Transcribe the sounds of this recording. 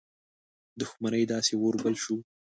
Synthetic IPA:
d̪ʊxmanəjd̪ɑsewoɾbəlʃu

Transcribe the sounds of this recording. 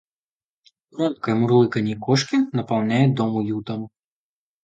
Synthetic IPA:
rɔnkɐjmurlˠɨkɐnʲikɔʂkʲinɐpawnʲajɛd̪ɔmujut̪ɐm

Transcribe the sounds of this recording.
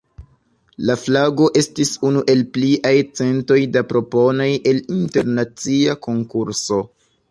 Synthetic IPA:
laflaɡo̞ʔe̞stisunuʔe̞lpliʔajt͡se̞nto̞jdapɾo̞po̞no̞jʔe̞linte̞ɾnat͡siako̞ŋkuɾso̞

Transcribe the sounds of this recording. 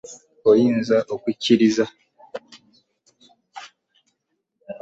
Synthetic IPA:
ojiːnzaʔokwiciɾiza

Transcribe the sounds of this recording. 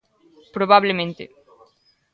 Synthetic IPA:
pɾoβaβlemẽnt̪ḛ

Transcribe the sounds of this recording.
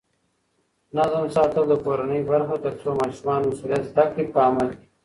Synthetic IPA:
nazmsɑːt̪əld̪əkoɾanəjbaɾxat̪əɾsomɑːʃumɑːnmasulijat̪zd̪akɽipəamalki̥

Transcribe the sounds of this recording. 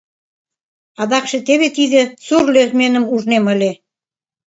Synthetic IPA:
ɑd̪ɑkʃĕt̪eβet̪id̪ĕsurlermenə̆muʒnemə̆lʲe

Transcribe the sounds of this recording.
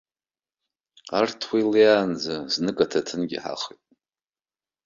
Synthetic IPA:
artʰwiljaːnd͡zaznɨkʼatʰatʰɨnɡʲḭħa̰χitʼ

